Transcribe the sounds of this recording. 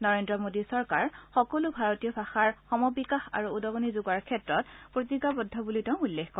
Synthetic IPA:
nɔɹendɹɔmodisɔɹkaɹxɔkɔlubʱaɹɔtijɔbʱaxaɹxɔmɔbikaxa̰ɹuːdɔɡɔnizuɡaɹkʰɛtɹɔtpɹotiɡabɔdʱːɔbulitɛ̃ʊ̃ulːexkɔ

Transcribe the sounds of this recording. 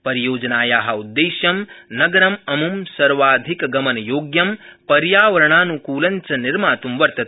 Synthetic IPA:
pɐɾijoːd͡ʒɐnaːjaːɦɐud̪ːeːʃjɐmnɐɡɐɾɐmɐmumsɐɾʋaːd̪ʱikɐɡɐmɐnɐjoːɡjɐmpɐɾjaːʋɐɾɐɳaːnukuːlɐɲt͡ʃɐniɾmaːt̪umʋɐɾt̪ɐt̪

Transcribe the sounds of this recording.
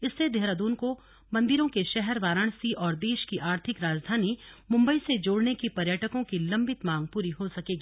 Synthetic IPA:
ɪsːed̪eɦɾad̪uːnko | mɐ̃nd̪ɪɾõkeʃɛɦɛɾʋaːɾəɽ̃siʔɔːɾd̪eːʃkiʔaːɾt̪ʰɪkɾaːd͡ʒd̪ʱaːnimʊ̃mbəised͡ʒoːɽnekipɐɾjəʈəkõkilɐ̃mbɪt̪mãːŋɡ̚puːɾiɦosɐkeːɡiː

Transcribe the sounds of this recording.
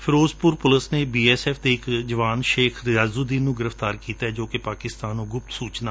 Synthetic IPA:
pʰɪɾoːzpʊɾpʊləsneːbiːɛːsɛːpʰd̪eːɪkd͡ʒəʋaːnʃeːkʰɾɪjaːzuːd̪ĩːnnũːɡɪɾəfʰt̪aːɾkiːt̪aːɦɛd͡ʒoːkepaːkɪst̪aːnũːɡʊp̚t̪suːt͡ʃnaː

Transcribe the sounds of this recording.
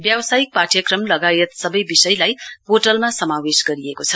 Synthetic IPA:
bjʌwsajik̚paʈʰjʌkrʌmlʌɡajet̪sʌbʌjbisʌjlajpoʈʌlmasʌmawesɡʌɾiekot͡sʰʌ

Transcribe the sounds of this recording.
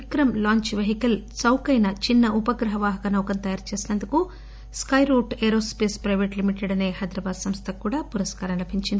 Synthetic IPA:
kɾɐmlaːɲt͡ʃʋeɦikɐlt͡ʃɐwkɐjnɐt͡ʃinːɐʔupɐɡɾɐɦɐʋaːɦɐkɐnɐwkɐnt̪ɐjaːɾt͡ʃe̞ːsinɐnd̪uku | skɐjɾoːʈeːɾoːspeːspɾɐjʋeːʈlimiʈeɽɐne̞ːɦɐjd̪ɾɐbaːd̪sɐmst̪ʰɐkuːɽaːpuɾɐskaːɾɐnlɐbʱiɲt͡ʃind̪i

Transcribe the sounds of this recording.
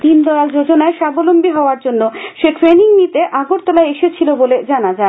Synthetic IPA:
t̪ind̪ɔald͡ʑod͡ʑonaeʃabolombiɦɔoaɾd͡ʑonːoʃeʈɾeniŋnit̪eʔaɡoɾt̪ɔlaeeʃet͡ɕʰiloboled͡ʑanad͡ʑae

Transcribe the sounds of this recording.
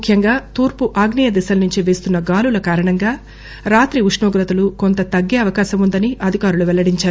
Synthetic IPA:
kʰjɐŋɡaːt̪uːɾpuʔaːɡniːjɐd̪isɐlnuɲt͡ʃiʋe̞ːst̪unːɐɡaːlulɐkaːɾɐɳɐŋɡaː | ɾaːt̪ɾiuʂɳoːɡɾɐt̪ɐlukont̪ɐt̪ɐɡːɛɐʋɐkaːʃɐmund̪ɐniʔɐd̪ʱikaːɾuluʋɛlːɐɽiɲt͡ʃaːɾu

